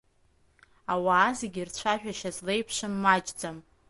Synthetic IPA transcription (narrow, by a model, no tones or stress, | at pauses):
awaːzeɡʲirt͡ɕʷʰaʒᶣaʃazle̞jpʰʂɨmːad͡ʒd͡zam